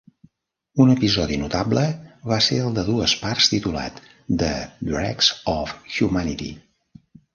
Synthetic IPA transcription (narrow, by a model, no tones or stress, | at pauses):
unəpizɔðinut̪abləβaseəlˠd̪əðuəsparst̪it̪ula̰t̪ | d̪əd̪ɾɛ̰kz̥ɔfxjumanit̪ḭ